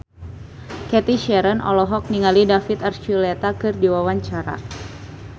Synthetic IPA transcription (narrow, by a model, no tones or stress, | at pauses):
kɛt̪iʃɛɾənɔ̰lɔɦɔk̚niŋalidafit̪art͡ʃulɛt̪akɨrdiwawaɲt͡ʃaɾa̰